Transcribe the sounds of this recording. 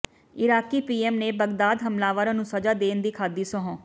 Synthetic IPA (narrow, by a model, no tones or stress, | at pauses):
ɪɾaːkiːpiːɛːmneːbəɡd̪aːd̪ɦəmlaːʋaːɾãːnũːsəd͡ʒaːd̪eːnd̪iːkʰaːd̪iːsəɦõː